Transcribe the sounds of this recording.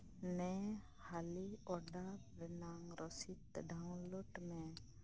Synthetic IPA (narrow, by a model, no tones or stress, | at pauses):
nɛ | haliɔɖabɛnaŋɾɔsit̪ɖʱaũloʈmẽ